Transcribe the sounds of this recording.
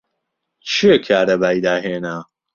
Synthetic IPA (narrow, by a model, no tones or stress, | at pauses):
t͡ʃʰijekʰaːɾɐbaːjd̪aːɦeːna